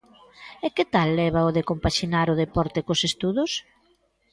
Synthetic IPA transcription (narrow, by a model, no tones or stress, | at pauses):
ekɪt̪alːɛβɐoðekompaʃinaɾʊðepɔɾt̪ekosest̪uðʊs